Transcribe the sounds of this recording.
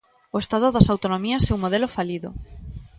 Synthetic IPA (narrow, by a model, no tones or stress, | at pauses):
oest̪aðoðasawt̪onomiɐsɛumoðelofaliðo̰